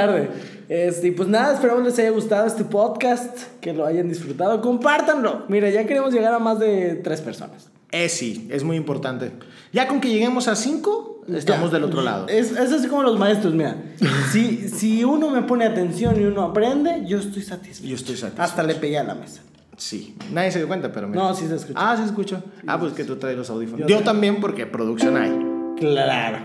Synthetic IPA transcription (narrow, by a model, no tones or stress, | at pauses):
aɾðe | est̪eipwe̞znaðaespe̞ɾamo̞zle̞saʝaɣust̪aðoe̞st̪e̞po̞ðkast̪ke̞lo̞aʝand̪isfɾut̪að̞oko̞mpaɾt̪anlo̞miɾaʝake̞ɾe̞mo̞zʝe̞ɣaɾamazðe̞t̪ɾe̞spe̞ɾso̰nas | esḭezmujimpo̞ɾt̪ant̪e | ʝako̞ŋke̞ʝe̞ɣe̞mosasiŋkoest̪amozðelot̪ɾola̰ð̞o̰eses̬as̬iko̞mo̞lo̞zmae̞st̪ɾo̞zmiɾa̰sisiuno̞me̞po̞ne̞at̪e̞nsjo̞niuno̞apɾe̞nd̪e̞ʝo̞est̪o̞jsat̪i̥sʝoest̪ojsa̰t̪iast̪alepeɣeala̰me̞̰sḁ | sḭnaðjese̞ðjokwent̪apeɾominosiseskuasieskut͡ʃoa̰pwesesket̪ut̪ɾajlosawðifonot̪ambje̞mpo̞ɾkepɾoðuksjo̞na̰jklaɾo